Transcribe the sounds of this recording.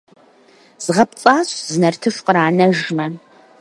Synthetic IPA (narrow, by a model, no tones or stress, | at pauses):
z̥ɨʁɐp̚t͡sʼaːɕzɨnɐrtʰɨʂqəɾaːnɐʒmɐ